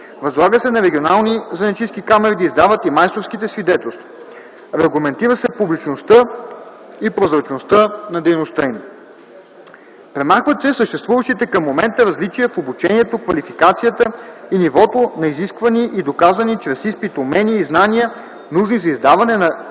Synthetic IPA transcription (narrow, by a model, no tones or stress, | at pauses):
vɐzlˠaɡəsɛnɐɾɛɡʲionalˠnizɐnɐt͡ʃiskikamɛɾid̪əizd̪avət̪imajst̪ofskit̪ɛsvid̪ɛt̪ɛlˠst̪vo | ɾɛɡlˠɐmɛnt̪iɾəsɛpublit͡ʃnost̪ə | ipɾozɾɐt͡ʃnost̪ənɐd̪ɛjnost̪əim | pɾɛmaxvət̪sɛsəʃt̪ɛst̪vuvəʃt̪it̪ɛkɐmːomɛnt̪əɾɐzlit͡ʃijəfobut͡ʃɛniɛt̪okvɐlifikat̪sijət̪əinivɔt̪onɐiziskvɐniʔid̪okazɐnit͡ʃɾɛsispit̪omɛniəiznaniə | nuʒnizɐizd̪avɐnɛnɐ